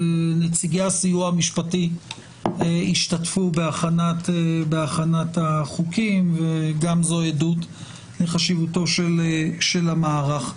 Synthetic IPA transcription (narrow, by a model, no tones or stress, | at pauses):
net͡siɡaasijuamiʃpati | eiʃtatfubeaχanatebeaχanataχukimveɡamzoedut | leχaʃivuto̞ʃelʃe̞lamaːʁaχ